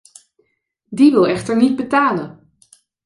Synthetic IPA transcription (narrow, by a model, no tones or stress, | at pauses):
diʋɪlˠɛχtəɹnid̚bətaːlən